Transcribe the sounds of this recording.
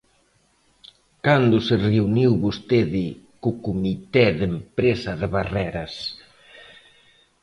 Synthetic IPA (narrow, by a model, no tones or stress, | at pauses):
kand̪ʊsɪreuniwβost̪eðɪ | kʊkumit̪ɛðempɾesɐðɪβarɛɾɐs